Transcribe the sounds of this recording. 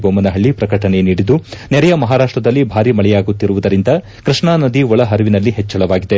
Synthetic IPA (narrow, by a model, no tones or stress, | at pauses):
boɐmɐnɐɦɐɭːipɾɐkɐʈɐne̞niːɽid̪unɛɾɐjɐmɐɦaːɾaːʂʈɾɐd̪ɐlːibʱaːɾimɐɭɛjaːɡut̪ːiɾuʋud̪ɐɾind̪ɐ | kɾiʂɳaːnɐd̪iɔɭɐɦɐɾuʋinɐlːiɦet͡ʃːɐɭɐʋaːɡid̪e̞